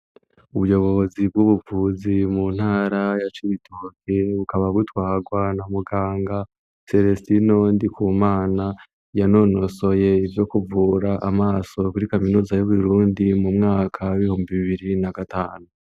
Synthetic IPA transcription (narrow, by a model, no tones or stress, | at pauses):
uβujo̞βo̞βozib̚ɡuβuvuːzimun̥haːɾajat͡ʃiβitʰoːkeβukaβaɡutwaːɡwanamuɡaːŋɡa | se̞ɾestinondikuːmaːna | jano̞no̞so̞je̞ivjo̞kuvuːɾaʔamaːso̞kuɾikaminuːzajuβuɾuːndimumŋaːkʰaiβihuːmbiβiβiɾinaɡataːnu